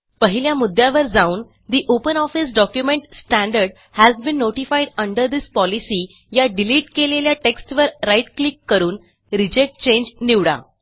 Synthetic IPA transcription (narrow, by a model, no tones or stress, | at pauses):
pəɦiljamud̪ːjaʋəɾd͡zauːn | d̪iʔopənɔfis̬ɖɔkjumeɳʈsʈæ̃ɳɖəɾɖ | hæzbĩnːoʈifajɽəɳɖəɾd̪ispɔlisiː | jaɖiliːʈkeleljaʈeksʈʋəɾːajʈklikːəɾuːn | ɾid͡ʑek̚ʈ̚t͡ɕẽɲd͡ʑniʋɽa̰